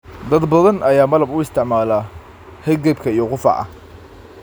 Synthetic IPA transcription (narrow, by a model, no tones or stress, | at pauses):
d̪ɐd̪bɐðɐnɐjaːmɐlɐbʊɪst̪ʰɪʕmaːla | hɛɡɐb̚kʰɐijɔqʊfɑ̰ʕɐ̰h